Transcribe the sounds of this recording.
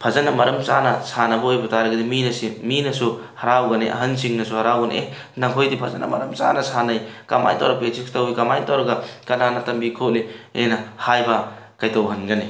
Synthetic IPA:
pʰɐzɐnːɐmɐɾɐmsanɐsanɐbɐojbɐtaɾɐɡɐdiminɐsiminɐsu | hɐɾawɡɐneʔɐ̰ɦɐnsiŋnɐsuhɐɾawɡɐn̰ʔe | nɐkʰojdipʰɐzɐna̰mɐ̰ɾɐmsa̰nɐsanajka̰ma̰jta̰wɾɐpet͡ʃʰiktɐwijkamajtawɾɐɡakɐnanɐtɐmbikʰot̚lienɐhajbɐ | kajtɐwɦɐnɡɐne

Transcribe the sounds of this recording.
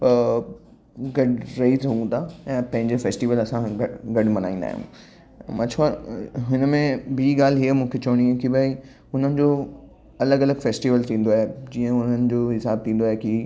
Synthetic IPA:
ɡɐɖɾɐɦizɐɦũt̪ʰaɛ̃ːpɐ̃ɦɪ̃ɲd͡ʑefeːsʈiʋəlɐsãɡɐɡɐɖmɐna̰ːĩːnd̪a̰ːɦjṵ̃ | ɐt͡ɕʰaɦɪnmẽbʱiːɡaːl̤ɦiəmũːkʰet͡ɕɐʋəɽ̃iũkibʱaːi | ʊn̤ənɪ̆d͡ʑoː | ɐləɡɐləɡfeːsʈiːʋəlt̪ʰĩːn̆d̪oaːɦed͡ʑiːə̃ʊn̤ənɪ̆d͡ʑoːɦɪsaːb̚t̪ʰĩːn̆d̪oaːɦeki

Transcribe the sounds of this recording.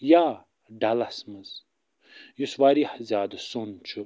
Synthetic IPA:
jaː | ɖalasmɨz | juswaːɾiħzjaːd̪ɐsunt͡ʃʰu

